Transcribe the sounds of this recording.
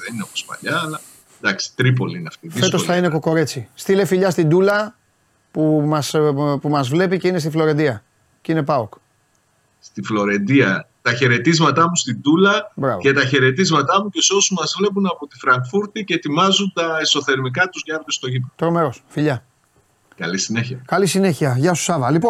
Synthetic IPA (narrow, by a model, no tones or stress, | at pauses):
ðenineomospɐ̰ʎɐːlɐ | nd̪ɐksi̥t̪ɾipo̞liineɐft̪iðie̞sk̪toosθɐine̞ko̞ko̞ɾe̞t͡sist̪ilefiʎɐst̪ind̪ulɐ | pumɐspumɐzvle̞pice̞ine̞st̪iflo̞ɾe̞nd̪iɐ | cine̞pɐok | st̪iflo̞ɾe̞nd̪iɐt̪ɐçe̞ɾe̞t̪izmɐt̪ɐmust̪ind̪ulɐbɾɐ̰ve̞t̪ɐçe̞ɾe̞t̪izmɐt̪ɐmucesosumɐzvle̞p̬unɐpot̪ifɾɐŋkfuɾt̪icet̪imɐzunt̪ɐeso̞θe̞ɾmik̬ɐt̪uzʝɐɾtest̪o̞ʝipot̪ɾo̞me̞ɾo̞sfiʎɐ | kɐ̰lisineçiɐkɐlisine̞çiɐʝɐsu̥sɐvɐlipon